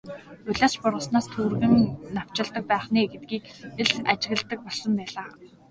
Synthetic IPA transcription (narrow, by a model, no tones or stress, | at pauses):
ʊɮʲaːt͡ɕpʊrʁə̆snaːst̪ʰuːrɣɘ̆nnaw̥t͡ɕɪ̆ɮt̪ə̆k̚pæːχneːɡet̪̚ɡiːkeɮat͡ɕɪ̆ɣɘ̆ɮt̪ə̆k̚pɔɮsɞ̆mpæːɮaː